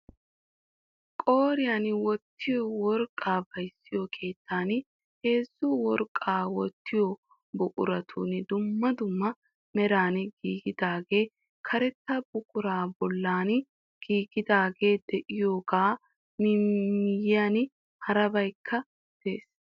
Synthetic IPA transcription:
kʼo̞ːɾɪjanwɔt̪ːɪjɔwɔɾkʼaːbɐjsːɪjokʰe̞ːt̪ʰːaːn | he̞ːzːʊwɔɾkʼːaːwɔt̪ːɪjɔ | bʊkʼʊɾɐt̪ʰṵːnd̪ʊmːɐd̪ʊmːɐ | mɛɾaːnɡiːɡɪd̪aːɡe̞ː | kʰɐɾɛt̪ːɐb̥ʊkʼʊɾaːbɔlːaːn | ɡ̥iːɡɪd̪aːɡe̞ːd̪ɛʔɪjoːɡaː | nɪmɪjɪjan | hɐɾɐbɐjkʰːɐ | d̪̥eːs

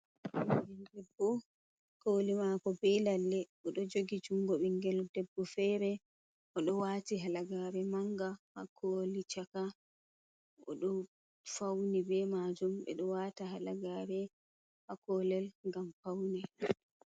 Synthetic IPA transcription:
iɡɛldɛbːɔ | koːlimakɔbɛlalːɛʔɔɗɔd͡ʒoɡid͡ʒuŋɡɔɓɛŋɡɛldɛbːɔfɛːɾɛ | ʔɔɗɔwaːtiɦalaɡaɾɛmaŋɡahakʰolit͡ʃaka | ʔɔ̰ɗɔ | fawnibɛmad͡ʒumɓɛ̰ɗɔwataɦalaɡaɾɛ | hakɔːlɛlŋɡamfawnɛ

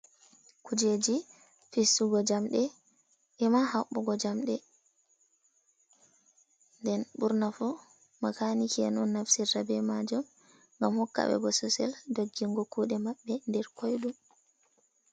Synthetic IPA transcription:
kud͡ʒed͡ʒi | fisːuɡɔd͡ʒamɗɛ | ʔɛmahaɓːɔɡɔd͡ʒamɗɛ | ndɛnɓuɾnafu | makanikiɛnunːafsiɾːabɛmad͡ʒum | ŋɡamhɔkːa̰ɓɛ̰ɡɔsusɛ̰ldoɡːiŋɡɔkuɗɛmaɓːɛndɛɾkʰojɗum

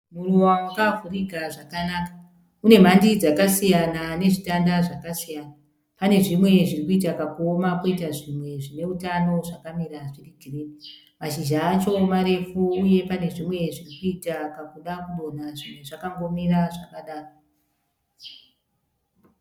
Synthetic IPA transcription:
muruwamukavʱuriɡʱaʐakanakḁ | une̞m̤andid͡zakasijanane̞ʐitandaʐakasijana | pane̞ʐimwe̞ʐirikuitakakuomakoitaʐimwe̞ʐine̞utano̞ʐakamiɾaʐiriɡʱireːni | maʃiʒaːt͡ʃo̞maɾe̞fuːje̞pane̞ʐimwe̞ʐirikuitakakuɗakuɗo̞naʐimwe̞ʐakaŋɡo̞miɾaʐakaɗaːro

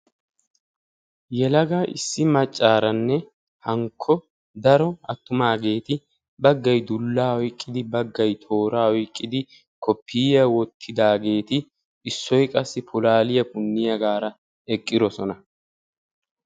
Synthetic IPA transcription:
jɛlɐɡaʔɪ̰sːɪmɐt͡ʃʼːaːɾɐnːɛ | hɐŋkʰːɔ | d̪ɐɾɔɐt̪ːʊmaːɡe̞ːt̪ɪ | bɐɡːɐjd̪ʊlːaːhɔjkʼːɪd̪ɪbɐɡːɐjt̪ʰo̞ːɾaːɔjkʼːɪd̪ɪ | kʰɔpʰːiːjɐwɔt̪ʰːɪd̪aːɡe̞ːt̪ɪ | ɪsːɔjkʼɐsːɪpʊlaːlɪjɐpʊnːɪjɐɡaːɾɐ | ɛkʼːɪd̪ɔsɔnɐ

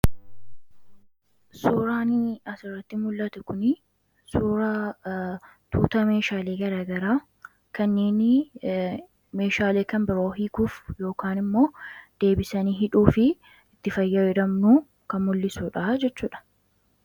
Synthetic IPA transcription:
suːɾaːniɐsɪrːɐt̪ːɪmʊlːɐt̪ɛkʊnɪ | suːɾa | t̪ʰuːt̪ɐme̞ːʃaːleːɡɐɾaːɡɐɾaː | kɐnːe̞ːnɪ | me̞ːʃaːle̞ːkɐmbɪɾo̞ːɦiːkuːfjo̞ːkaːnɪmːo̞ːd̪̥e̞ːbɪsɐniːɦɪᶑuːfɪ | ɪt̪ːɪfɐjːɐɛd̪ɐmnuː | kɐnmʊlːɪsuːᶑaːd͡ʒɛt͡ʃːuːᶑɐ̥

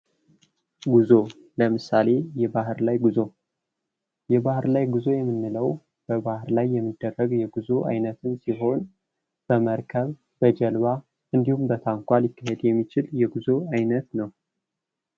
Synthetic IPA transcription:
ɡuzo̞ | ləmɨsale̞jɛbahɨɾlajɡuzo̞ | jɛbahɨɾlajɡuzo̞jɛmːɨnːɨləw | b̥əbahɨɾlajːɛmːɨd̪ːərːəɡjɛɡuzo̞ʔa̰jnət̪ʰɨnsiɦo̞n | b̥əməɾkʰəβ | bəd͡ʒɛlβa | ɨnd̪ihumbət̪ʰaŋkʷalikːaɦe̞d̪jɛmːit͡ʃɪljɛɡuzo̞ajnət̪nəw

